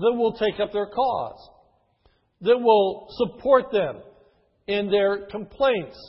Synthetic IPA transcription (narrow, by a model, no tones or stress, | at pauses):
ðət̚wɪlˠtʰeɪkʌp̚ðə˞kʰɔ̰z̥ | ðɨt̚wɪlˠsəpʰɔɹt̪̚ðɛ̃m | ɪ̃nðə˞kʰə̃mpʰl̥ẽɪ̃nts